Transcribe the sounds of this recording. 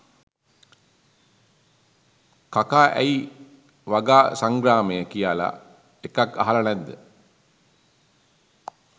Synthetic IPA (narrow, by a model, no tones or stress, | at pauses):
kakaːʔæ̰i | ʋaɡaːsaŋɡɾaːmejəkijaːla̰ | ekaka̰ɦalanɛnd̪ə